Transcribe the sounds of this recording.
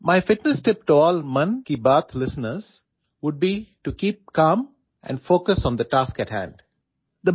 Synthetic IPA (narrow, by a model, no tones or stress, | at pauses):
maɪfɪʈnəsʈɪp̚ʈuɔːlmʌ̃nkibət̪ʰlɪsənəɾz̥ | ʋʊɖ̚biʈukiːp̚kãːm | ʔɛ̰̃ɳɖfoːkəsɔ̃ːnd̪əʈaːskæʈhæ̰̃ɳɖ | d̪ə